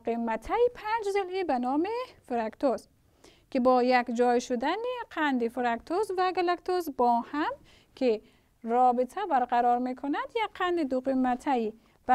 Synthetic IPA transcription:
qimːat̪ʰajipʰand͡ʒzilibanɔmifuɾakt̪ʰoz | kibɔːjakd͡ʒɔjʃud̪aniqʰand̪ifuɾakt̪ʰozvaɡalakt̪ʰozbɔːham | kʰi | ɾɔːbit̪ʰabaɾqaɾɔɾmekʰunad̪jakqʰːand̪id̪uqimːat̪ʰai | b̥a

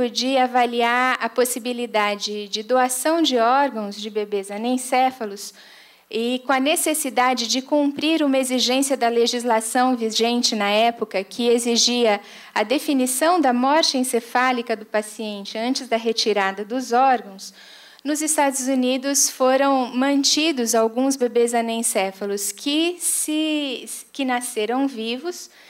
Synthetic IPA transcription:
ʊd͡ʒiavaliaɾɐposibilid̪ad͡ʒɪd͡ʒɪd̪oasɐ̃w̃d͡ʒɪɔɾɡɐ̃w̃zd͡ʒɪbebezɐnẽj̃sɛfɐlʊs | ɪkõɐnesesid̪ad͡ʒɪd͡ʒɪkũmpɾiɾũmɐeziʒẽsijɐd̪ɐleʒizlasɐ̃w̃viʒẽnt͡ʃɪnɐɛpʊkɐkʰɪeziʒiɐ | ɐd̪efinisɐ̃w̃d̪ɐmɔɾt͡ʃɪẽsefalikɐd̪ʊpasiẽnt͡ʃɪɐ̃nt͡ʃɪzd̪ɐɦet͡ʃiɾad̪ɐd̪ʊzɔɾɡɐ̃w̃s | nʊzɪst̪ad̪ʊzunid̪ʊsfoɾɐ̃w̃mɐ̃nt͡ʃid̪ʊzawɡũzbebezɐnẽsɛfɐlʊskʰɪsɪ | kɪnaseɾɐ̃w̃vivʊs

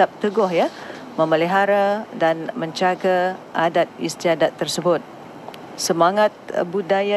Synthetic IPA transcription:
ap̚t̪əɡɔhja | mə̃məliɦaɾadanmə̃ɲt͡ʃaɡaʔadat̪̚ḭst̪iadat̪ːərsəbʊt̪̚ | səmaŋat̪̚budaja

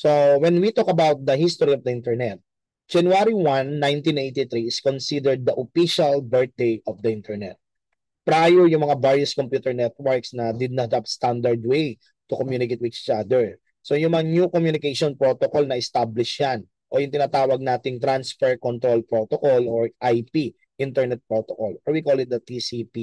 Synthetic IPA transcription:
sowɛnwit̪okɐbawt̪̚d̪ɐhist̪oɾiɔvd̪ɐʔĩnt̪ɛɹnɛt̪̚ | d͡ʒɐnjuaɾiwɐnːãjnt̪ĩnʔejt̪it̪ɾiɪskonsid̪ɛɹd̪̚ːɐʔofiʃɐlbɛɹt̪̚d̪ejʔɔfd̪ɐʔɪ̃nt̪ʰɛɹnɛ̰t̪̚ | pɾajɛɹjʊŋmɐŋabaɹjʊskompjuːt̪ɛɹnɛt̪̚wɛɹksnɐd̪ɪd̪nat̪apst̪and̪ɐɹd̪̚wej | t̪ʊkomjuːnɪkejt̪̚wɪd̪it͡ʃad̪ɛɹ | sojʊŋmɐŋanjukomjunɪkejʃonpɹot̪okolnɐʔɪst̪ablɪʃjan | ʔo̞jʊŋt̪ɪnaːt̪aːwɐɡ̚naːt̪ɪŋt̪ɾansfɛɹkont̪ɾolpɹot̪okoloɹʔajpi | ʔɪnt̪ɛɹnɛt̪̚pɹot̪okoloɹwikolɪt̪̚d̪ɐt̪isipi

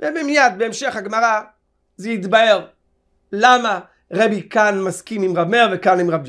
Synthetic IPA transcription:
vebemijad̪̚beemʃe̞χhaɡmaʁa | zeit̪bae̞ʁ | lama | ʁebikanmaskimimʁabmeʁvekanimʁabd͡ʒ

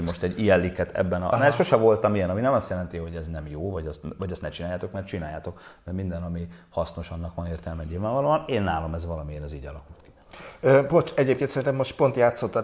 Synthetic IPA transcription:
mo̞ʃt̪ɛɟːijɛlːikːɛt̪ʰɛ̰bːɛnɒ̰nɛʃo̞ʃɛvo̞lt̪ɒmijɛnɒminɛmɒst̪jɛlɛnt̪iho̞ɟɛznɛmjoːvɒɟɒst̪vɒɟɛst̪nɛt͡ʃinaːjaːt̪o̞kmɛrt͡ʃinaːjaːt̪o̞kmɛrmind̪ɛnɒmihɒsnoʃɒnːɒkʋɒneːrt̪ɛlmɛɲɲilvaːɱvɒloːɒneːnːaːlo̞mɛzʋɒlɒmiɛnɛziːɟɒlɒkult̪ki̥ | øbot͡ʃɛɟeːpkeːnsɛɾint̪ɛmːoʃt̪po̞nt̪jaːt̪sot̪ːɒ

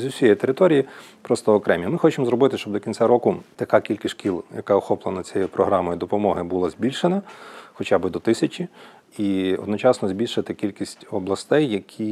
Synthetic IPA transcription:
zʲʊsʲijit̪eɾɪt̪ɔɾʲijipɾɔst̪ɔɔkɾɛmʲimɪxɔt͡ʃemzɾɔbɪt̪ɪʃt͡ʃɔbd̪ɔkʲinsʲaɾɔkʊt̪ɐkɑkʲilʲkɪsʲʃkʲilˠjɐkɑɔxɔplˠenɐt͡sʲɛjɛɛpɾɔɦɾɑmɔjid̪ɔpɔmɔɦɪbulˠɐzʲbʲilʲʃenɐxɔt͡ʃabɪd̪ɔt̪ɪsʲɐt͡ʃʲi | iɔ̰d̪nɔt͡ʃɑsnɔzʲbʲilʲʃɐt̪ɪkʲilʲkʲisʲtʲɔblˠɐst̪ɛjːɐkʲʰi

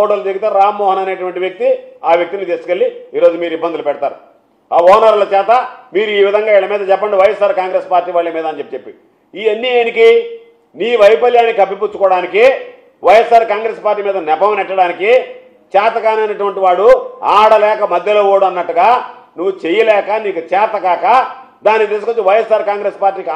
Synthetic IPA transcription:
ɔɽɐlɐt̪eɡit̪eːɾaːmːɔːɦɐnɐneːʈuʋɐɳʈiʋjek̚t̪iaːʋjek̚t̪init̪iːskelːiiːɾo̞ːd͡ʒumiːɾibːɐnd̪ulupɛɽɐt̪aːɾu | aːɔːɦɐnɐɾlɐt͡ʃɛːt̪ɐmiːɾuiːʋid̪ʱɐŋɡaːiɭɐmiːd̪ɐt͡ʃɛpːɐɳɖiʋɐjesːaːɾkaːŋɡɾeːspaːɾʈːiːʋaːɭːɐmiːd̪ɐɲt͡ʃe̞pːit͡ʃepːi | iːenːieːniki | niːʋɐjpɐljaːnːikɐbip̬ut͡ʃːu̥kɔːɽaːniki | ʋɐjesːaːɾkaːŋɡɾespaːɾʈ̬ːiːmiːd̪ɐnɛbɐmɐnɛʈːɐɽaːniki | t͡ʃɛːt̪ɐkaːniɐnɐʈuʋɐɳʈiʋaːɽuaːɽɐlɛːkɐmɐd̪ʱjɐlo̞ːoːɽuɐnːɐʈːuɡaːnuʋːut͡ʃɛjɐlɛːkɐniːkut͡ʃɛːt̪ɐkaːkɐ | d̪aːnikt̪iːs̬ukot͡ʃːuʋɐjesːaːɾkaːŋɡɾeːspaːɾʈːiːkː

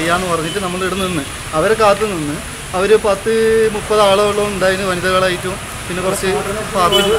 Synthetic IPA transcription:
ejːaːnːɨpɐrɐŋːitːɨnɐmːɐɭiɽunːinːɨ | ɐʋɐɾekaːt̪ːɨninːɨ | ɐʋɐɾupɐt̪ːɨmupːɐðaːɭɐoɭːɐuɳɖaːjiɾunːɨʋɐniðɐɣɐɭaːjitːu | pinːekurɐt͡ɕːepaːrɐu

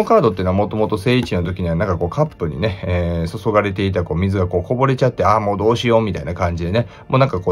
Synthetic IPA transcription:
okaːd̪o̞t̪̬ːeiːnoamo̞t̪o̞mo̞t̪o̞se̞ːit͡ɕinot̪o̞kʲiɲ̟iβanãŋkako̞ːkapːɯ̟ɲ̟ḭne̞eːso̞so̞ɡaɾe̞t̪e̞it̪ako̞ːmʲizɨɡako̞ːko̞bo̞ɾe̞t͡ɕat̪ːe̞amo̞ːd̪o̞ːɕijo̞mʲit̪ainakãɲ̟d͡ʑid̪e̞ne | mʔonãŋkakoː

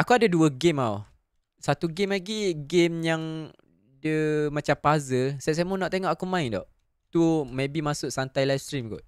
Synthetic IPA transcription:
akuadaduəɡemaw | sat̪uɡɪmlaɡiɡemjaŋ | dəmat͡ʃampazəsɛʔ̚s̬ajmunɔʔt̪eŋɔʔakumãindɔ̰ʔ | t̪umẽbimasʊʔsant̪ajlajfst̪ɾimɡʊ̰ʔ̪̚

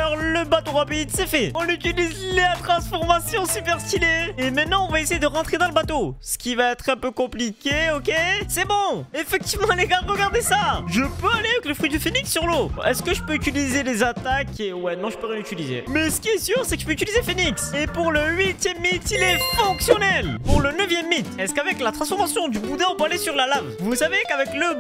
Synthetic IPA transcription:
ɔʁləbat̪oʁapid̪sɛfɛɔ̃nyt̪ilizlat̪χɑ̃sfɔʁmasjɔ̃sypɛʁst̪ileemɛ̃t̪̚nɑ̃ɔ̃vaesejed̪əʁɑ̃t̪χed̪ɑ̃ləbat̪osə̥kʲivaɛt̪χɛ̃pøkɔ̃plikʲeɔkʲesɛbɔ̃efɛk̚t̪ivmɑ̃lɛɡaʁːəɡaʁd̪esaʒəpøaleavɛkləfχid̪əfeniksːyʁloɛskəʒəpøyt̪ilizelezat̪akewɛnɔ̃ʒəpøʁjɛ̃nyt̪ilizḛmɛsə̥kʲiɛsyʁsɛkəʒ̥əpøyt̪ilizefeniksepuʁləɥit̪jɛmːit̪ilɛfɔ̃ksjɔnɛlpuʁlənəvjɛmːit̪ɛskavɛklat̪χɑ̃sfɔʁmasjɔ̃d̪ybud̪ɛ̃ɔ̃pøalesyʁlalavvusavekavɛklə

